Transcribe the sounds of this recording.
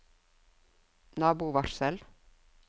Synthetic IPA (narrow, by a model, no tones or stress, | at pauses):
nɑːbuːʋɑɾsəl